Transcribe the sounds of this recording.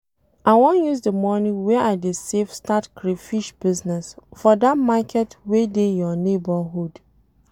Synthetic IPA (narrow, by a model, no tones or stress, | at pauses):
awɔ̃njuzdəmɔnĩwɛʔadesefstatkɾefiʃb̥iznɛsfɔdatmakʰɛtwedejɔnebaɦud